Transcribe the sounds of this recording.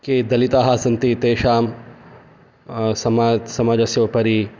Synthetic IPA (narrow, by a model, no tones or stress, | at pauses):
keːd̪ɐlit̪aːɦaːsɐnt̪it̪eːʃaːm | sɐmaːsɐmaːd͡ʒɐsjoːpɐɾi